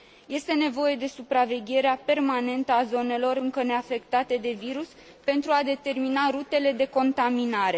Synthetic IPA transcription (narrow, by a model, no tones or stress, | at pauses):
je̞st̪e̞ne̞vo̞je̞d̪e̞supɾave̞ɡʲe̞ɾeape̞rmane̞nt̪əazo̞ne̞lo̞ɾɨŋkəne̞afe̞kt̪at̪ed̪e̞viɾus | pe̞nt̪ɾuad̪e̞t̪e̞rminaɾut̪e̞le̞d̪e̞ko̞nt̪aminaɾe̞